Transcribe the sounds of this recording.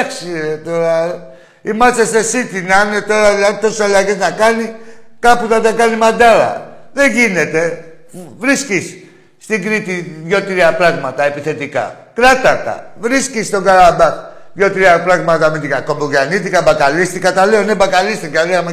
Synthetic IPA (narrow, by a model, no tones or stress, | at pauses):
ɐksiɾet̪o̞ɾɐ | imɐst̪est̪e̞sit̪innet̪o̞ɾɐɐnt̪o̞salaʝeznɐkɐnikɐput̪ɐt̪ɐkɐnimɐd̪ɐɾɐ̰ðe̞ʝine̞t̪e̞ | vɾiscisː | t̪iŋɡɾit̪iðʝo̞t̪iɾiɐpɾɐɣmɐt̪ɐepiθe̞t̪ikɐ̰ | kɾɐt̪ɐt̪ɐ̰vɾiscist̪o̞ɡɐɾabɐx | ðʝo̞t̪iɾiɐpɾɐɣmɐt̪ɐmit̪ikɐkoboʝanit̪ikɐbɐkalist̪ikɐt̪ɐleonebɐkalist̪iɡaeɐm